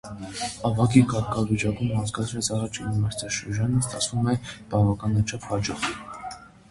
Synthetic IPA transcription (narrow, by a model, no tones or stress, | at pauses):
ɑvɑkikɑɾkʰɑvit͡ʃɑkumhɑnt͡sɡɑt͡sʰɾɛt͡sʰɑrɑt͡ʃʰinmɑɾt͡sʰɑʃəɾd͡ʒɑnəst̪ɑt͡sʰvumɛb̥ɑvɑkɑnːɑt͡ʃʰɑphɑd͡ʒɔɾt̪ʰ